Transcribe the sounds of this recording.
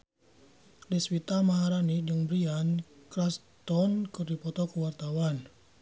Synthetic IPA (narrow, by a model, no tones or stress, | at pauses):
dɛswit̪amaɦaɾanid͡ʒəŋbɾiankɾas | t̪ɔnkɨrdipɔt̪ɔkəwart̪awan